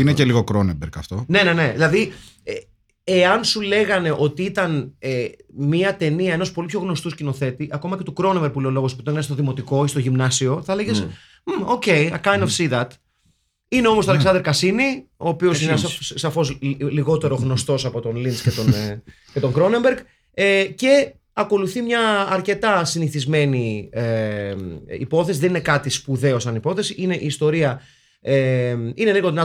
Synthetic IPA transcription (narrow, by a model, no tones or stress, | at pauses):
ineceliɣokɾonembɾkɐ̰ft̪o̞ne̞ne̞ne̞ðilɐði | e | eɐnsule̞ɣɐne̞ʔo̞t̪iit̪ɐnemiɐt̪e̞niɐe̞nospolipço̞ɣno̞st̪uscino̞θe̞t̪iʔɐko̞mɐce̞t̪ukɾo̞nemveɾpuleolo̞ɣosput̪okɐnst̪oðimot̪iko̞ist̪o̞ʝimnɐsio̞θɐleʝes̩ | o̞ce̞jɐkajnd̪ofsiðɐt̪ | ineo̞most̪oɐleksɐnd̪eɾkɐsinioːpiosinessɐfo̞sliɣo̞t̪e̞ɾo̞ɣno̞st̪o̞sɐpo̞t̪o̞nlinscet̪on | ce̞t̪o̞ŋɡɾo̞ne̞mbeɾɡ | ece̞ | ɐko̞luθimɲɐːɾce̞t̪ɐsiniθizme̞nie | ḭpo̞θesiðe̞ninekɐt̪ispuðe̞o̞sɐnipo̞θe̞siʔine̞ʔiːst̪o̞ɾiɐ | eine̞liɣonɐ